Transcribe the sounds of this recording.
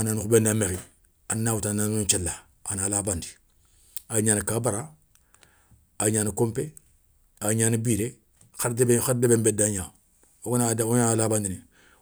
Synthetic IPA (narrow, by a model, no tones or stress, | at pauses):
ananixubendamexi | anːawutananut͡ʃelːa | analabandi̥ | aɲaːnikaːbaɾa | aɲaːnikompe | aɲaːnibiːɾe | xadebexaɾdebembedaɲa | oɡnaoɲalabandini